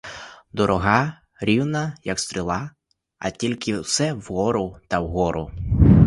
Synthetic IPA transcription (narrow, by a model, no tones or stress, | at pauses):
d̪ɔɾɔɦɑ | ɾʲiwnɐjɐkst̪ɾʲɪlˠɑ | ɐ̰tʲilʲkɪwsɛwɦɔɾʊt̪ɐwɦɔɾʊ̰